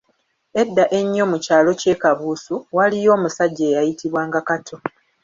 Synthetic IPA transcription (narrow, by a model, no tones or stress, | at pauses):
e̞dːaʔe̞ɲːo̞mucaːlo̞ce̞ːkaβuːsuwalijo̞ːmusaɟːeːjajitiβwaːŋɡakatʰo̞